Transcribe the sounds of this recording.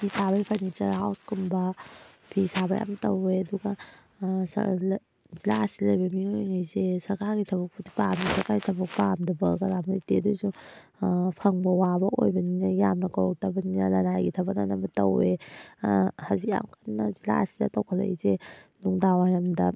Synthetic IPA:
bisabajpʰanit͡ʃɐɾɦawskʰumbɐ | b̥ʰisaba̰jʔa̰mtɐweɐduɡa | s | zilasilɐjbɐmiojŋajzesɐɾkaɾɡitʰɐbɐk̚putipamdisɐɾkaɾɡitʰɐbɐk̚pamdɐbɐkaɾamiteduzu | pʰaŋbɐwabɐʔo̰jbɐninɐjamnɐkawk̚tʰabɐninɐlanajɡitʰɐbana̰nɐbɐtɐ̰we | hazia̰mkʰanːɐzila̰ɐsidɐ̰tɐwkʰala̰jzenuŋdawajɾɐmdɐ

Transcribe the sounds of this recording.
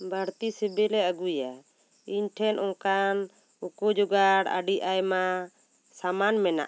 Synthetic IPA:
bʱaɾt̪isɛbɛlɛaɡuja | iɲʈʰɛnʔɔ̃kan | ukud͡ʒɔɡaɽa̰ɖiʔajma | samanmɛna̰ʔ

